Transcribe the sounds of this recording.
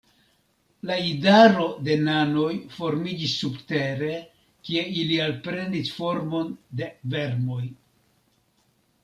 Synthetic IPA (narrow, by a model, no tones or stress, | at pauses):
laidaɾo̞de̞nano̞jfo̞ɾmid͡ʒisːubte̞ɾe̞ | kie̞ilialpɾe̞ndisfo̞ɾmo̞nde̞ve̞ɾmo̞j